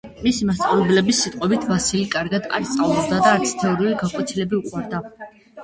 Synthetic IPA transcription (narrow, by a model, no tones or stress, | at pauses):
misimast̪ʼavɛblɛbisːit̪ʼqʼɔbit̪ʰvasilikʼaɾɡad̪a̰ɾt̪sʼavlɛb̚d̪ad̪aːɾt̪sʰi̥t̪ʰɛɔɾiuliɡakʼɔt̪sʰilɛbiuqʼwaɾd̪a